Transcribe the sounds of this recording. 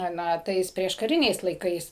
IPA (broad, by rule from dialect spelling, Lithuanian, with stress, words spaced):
ˈnɐ ˈtɐɪs pʲrʲiɛʃkɐˈrʲɪnʲɛɪs lˠɐɪˈkɐɪs